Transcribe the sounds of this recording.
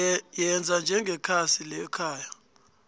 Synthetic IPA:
jɛnd͡zʱand͡ʒʱɛŋɡʱɛkʰasilɛkʰaːja

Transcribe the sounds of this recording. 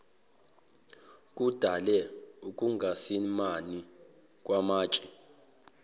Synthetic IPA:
kʼud̥ʱalɛukʼuŋɡʱasimani | k̬ʼwamaːt͡ʃʼi

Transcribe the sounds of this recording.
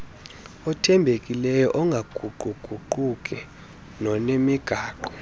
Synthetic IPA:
ɔtʰɛmbʱekʼilɛjɔ̰ʔɔŋɡʱaɡ̥ʱuɡ͡ǃʱuɡ͡ǃ̥ʱuǃuk̬ʼɛ | nɔnemiɡ̥ʱaːǃɔ

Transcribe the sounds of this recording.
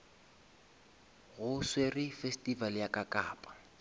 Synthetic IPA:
ɣʊswerɪfestʼivaljakʼakʼaːpʼḁ

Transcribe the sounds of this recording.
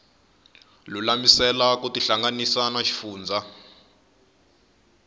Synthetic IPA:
lulamisɛlakutiɬaŋɡanisanaʃi̥fuːnd͡zʱa

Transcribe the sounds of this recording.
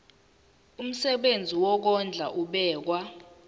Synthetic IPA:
um̩sɛɓend͡zʱiwɔk̬ɔnd͡ɮʱa̰ʔuɓɛːk̬wa

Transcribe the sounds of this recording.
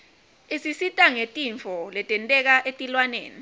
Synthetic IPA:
esisitʼaŋetʼiɱfʰɔlɛtʼɛntʼɛk̬aʔetʼilwanḛːni

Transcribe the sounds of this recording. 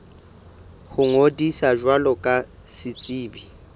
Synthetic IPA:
hʊŋodisaʒwalɔkʼa | sɪt͡sʼiːbi

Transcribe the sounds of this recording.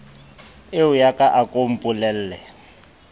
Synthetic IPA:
eujakʼaʔakʼom̩pʼulɛl̩ːlɛ

